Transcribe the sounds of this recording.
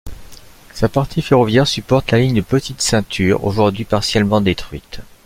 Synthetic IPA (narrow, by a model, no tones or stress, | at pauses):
sapaʁt̪ʰifeʁɔvjɛʁsypɔʁt̪laliɲd̪əpət̪it̪sɛ̃t̪ʰyːʁo̰ʒuʁd̪ɥipaʁsjɛlmɑ̃d̪et̪χɥit̪